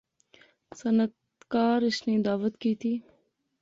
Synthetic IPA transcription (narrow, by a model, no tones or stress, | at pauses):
sanat̪ | kɑːɾɪʃned̪ɑːwat̪kit̪i